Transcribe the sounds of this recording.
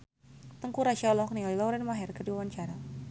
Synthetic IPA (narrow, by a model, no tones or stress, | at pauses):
t̪əŋkuɾaʃalɔk̚niɔjlɔwɾɛnmaɦɛrkərdiwawaɲt͡ʃaɾa